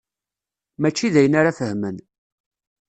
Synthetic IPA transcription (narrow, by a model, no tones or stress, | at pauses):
mæt͡ʃːiðæjənaɾafəhmən